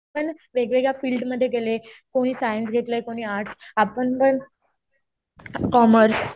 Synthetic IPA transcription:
pəɳʋeɡʋeɡjafiːlɖməd̪ʱːjeɡelekoɽ̃iːsajinsɡʱet̪ləjkoɽ̃iːaɾʈʰsapəɳpəɳ | kɔməɾs

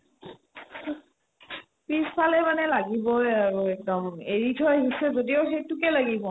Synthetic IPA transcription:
pispʰalɛmanɛlaɡibɔjaɹuɛk̚dɔmneɹitʰɔjɦisɛzodioxejtukɛlaɡibɔ

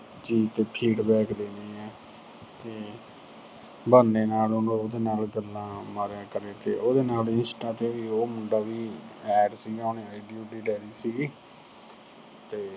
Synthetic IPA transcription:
d͡ʒiːt̪eːpʰiːɖbɛːkd̪eːniːɛː | t̪eː | bənːeːnaːlonõːoːd̪eːnaːlɡəlːãːməɾaːkəɾeːt̪eːʔoːd̪eːnaːlɪnsʈaːt̪eːʋiːoːmʊɳɖaːʋiːɛːɖsiːɡaːnẽːaːɪiɖijuːʈiːlɛːɾiːsiːɡiː | t̪eː

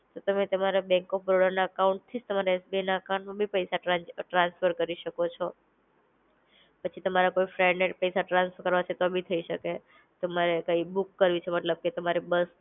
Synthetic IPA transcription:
t̪ot̪əmet̪əmaɾabɛ̃ŋkɔfbɾoɽəɾnaəkauɳʈ̚t̪ʰid͡ʒt̪əmaɾaesbinaəkaɳmãbʱipəjsaʈaʈɾãnsfʰəɾkəɾiʃəkot͡ʃʰɔ | pət͡ʃʰit̪əmaɾakoifɾajneʈ̚pəjsaʈɾãnsfəɾkəɾʋat͡ʃʰet̪obʱit̪ʰəiʃəke | t̪əmaɾekaibukːəɾʋit͡ʃʰemət̪ləb̚ket̪əmaɾibəs

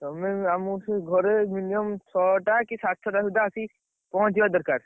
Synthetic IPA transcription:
t̪ɔmeamusɡʱɔɾeminiɔmt͡ʃʰɔʈakisat̪̚t͡ʃʰɔʈasud̪ʱasi | pɔɦɔ̃t͡ʃibad̪ɔɾkaɾ

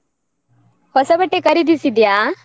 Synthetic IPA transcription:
hɔsɐbəʈːekɐɾid̪isid̪ja

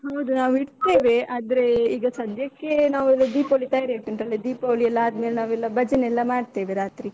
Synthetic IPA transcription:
ɦɐwd̪unaːʋiɽt̪e̞ːʋe̞aːd̪ɐɾe̞iːɡɐsɐd̪ʱjɐkːe̞naːʋuɛlːɐd̪iːpoːlit̪ɐjaːɾet̪inʈ̪ɐlːed̪iːpoːliɛlːɐaːd̪melenaːʋɛlːɐbɐd͡ʒinɛlːɐmaːɖt̪e̞ːʋeɾaːt̪ɾi

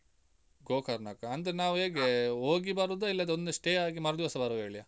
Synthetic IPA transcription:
ɡoːkɐɾɳaːkɐɐnd̪ɐɾenaːʋuɦeːɡeoːɡibaɾud̪uilːɐd̪eond̪uʂʈeaːɡimɐɾd̪iɦɔsɐbaːɾud̪ɦeːɭia

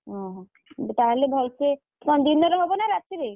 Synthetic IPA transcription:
ɦɔ̃ | t̪aɦelebʱɔlt͡ʃʰe | sɔnd̪inːɔɾɔɦɔbɔnaɾat̪t͡ʃeɾe

